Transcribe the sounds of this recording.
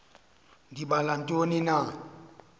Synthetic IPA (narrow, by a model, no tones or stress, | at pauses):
dibalan̩tʼonina